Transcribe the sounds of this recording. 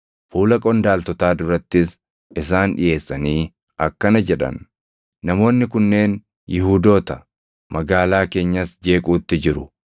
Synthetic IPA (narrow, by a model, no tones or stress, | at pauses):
fuːlɐkʼɔnd̪aːlt̪ɔt̪aːd̪ʊɾɐt̪ːɪs | ɪs̬aːnᶑɪ̰jʔe̞ːsːɐniː | ɐkːɐnɐd͡ʒɛᶑɐ̰nː | ɐmo̞ːnːɪkʊnːe̞ːn | jɪɦuːd̪o̞ːt̪ɐ | mɐɡaːlaːke̞ːɲːɐsd͡ʒe̞ːkʼuːt̪ːɪd͡ʒɪɾʊ